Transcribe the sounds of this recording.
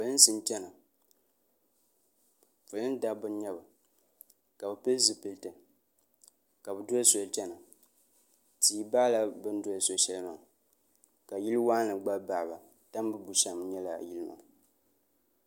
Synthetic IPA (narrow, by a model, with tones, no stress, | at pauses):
fʊ˨lɨ˦n˦sɨ˦nt͡ʃɛ˦na˨ | fɨ˨lɨ˦n˦da˦bɨ˦n˦ɲɛ˦ba˨ | ka˨bɨ˨pɛ˦lzɨ˨pɨ˨ltɨ˨ | ka˨bɨ˨do˦so˨lt͡ʃɛ˦na˨ | tiː˨˦baː˦la˦bɨ˦n˦do˦˨˦so˦ʃɛ˦lma˨ŋ˨ | ka˨ji˦lɨ˦waː˦nɨ˨ɡ͡ba˦ba˨ba˨ | ta˦m˦bɨ˦bu˨ʃa˨m˦ɲɛ˦la̰˨ji˦lɨ˦ma̰˨